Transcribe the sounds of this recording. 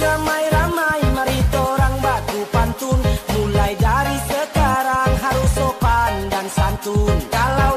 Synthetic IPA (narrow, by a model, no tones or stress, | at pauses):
ramajɾamajməɾit̪oɾaŋbat̪upant̪unmulajd͡ʒaɾisəkaɾaŋɦaɾusopandansant̪unkala